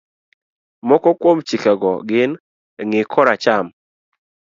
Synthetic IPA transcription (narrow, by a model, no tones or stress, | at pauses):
mɔkɔkwomt͡ʃikaɡɔɡɪn | ŋɪkʰɔɾat͡ʃam